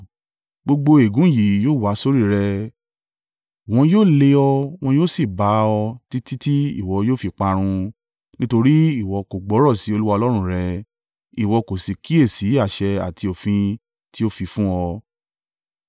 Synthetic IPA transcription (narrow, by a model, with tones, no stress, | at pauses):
ɡ͡bo˧ɡ͡bo˧e˨ɡũ˨˦ji˨˦joː˦˨wa˨˦so˦ɾi˦˨ɾɛ˧ | w̃ɔ̃˧joː˦˨le˧ɔ˧w̃ɔ̃˧joː˦˨si˦˨ba˨˦ɔ˧ti˦ti˦ti˦ḭ˦˨wɔ˨˧joː˦˨fi˧k͡pa˧ɾ̃ũ˧ | nĩ˦to˧ɾi˦i˦˨wɔ˧ko˨ɡ͡bɔ˨˦ɾɔ˦˨si˨˦o˧lu˦wa˧ɔ˧lɔ˦ɾ̃ũ˦˧˨ɾɛ˧ | i˨wɔ˧ko˨si˨ki˦e˦˨si˨˦a˦˨ʃɛ˧a̰˨tʰi˧o˨fĩ˧ | ti˦o˦˨fi˧fũ˦ɔ˧